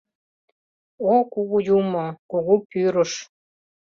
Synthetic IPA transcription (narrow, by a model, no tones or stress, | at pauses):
okuɣujumɤkuɣupyɾoʃ